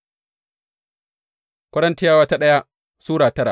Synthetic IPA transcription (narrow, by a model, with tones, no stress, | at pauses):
kʷɐ˦ɽɐ˦ntɪ˦jaː˦wɐ˦ta˦ɗɐ˦ja˦ | suː˦ɽaː˨tɐ˦ɽa˨